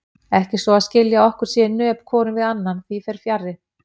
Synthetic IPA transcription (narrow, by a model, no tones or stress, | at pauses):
ɛhcɪsvɔaðscɪljaɔhkʏɾ̥sjɛnːœːpkʰɔːɾʏnvɪðanːanθifɛɾ̥fjarːɪ